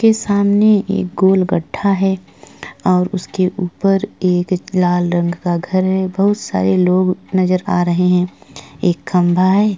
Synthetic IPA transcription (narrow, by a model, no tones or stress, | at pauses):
kesaːmneʔḛːk̚ɡoːlɡɐʈʰːaɦɛ | ɔːɾʊskeʔuːpəɾeːklaːlɾə̃ŋɡkaɡʱɐɾɦɛbɐɦʊt̪sa̰ːɾeloːɡnɐzəɾaːɾɐɦeɦɛ̃eːkːɐ̃mbʱaɦɛː